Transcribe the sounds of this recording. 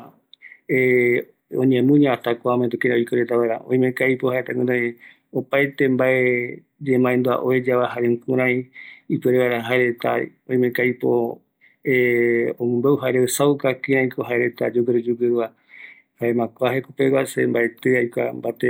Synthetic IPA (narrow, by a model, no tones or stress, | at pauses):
e | õɲẽmũɲãat̪akʷaomend̪ukĩɾaojkeɾet̪aβaeɾã̰ʔõ̰ĩmẽkajpohaet̪aɡũɾã | opajt̪embae | d͡ʒemãend̪ua̰ʔoed͡ʒaβaɦaɾeŋkũɾ̃ãj̃ipɨeɾeβajɾãɦaeɾet̪a̰ | õj̃mẽkajpo̰ | eõmõmbewɦaeɾeesawkakĩɾ̃ãj̃kʰoɦaeɾe̞t̪a̰d͡ʒoɡɨɾed͡ʒuɡɨɾua | haemãkʷaɦekupekasḛmbaet̪ɨajkʷa̰mbat̪e